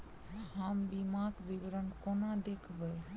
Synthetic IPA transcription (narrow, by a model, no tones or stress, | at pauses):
həmbimakbibɾənkonad̪ekʰbəj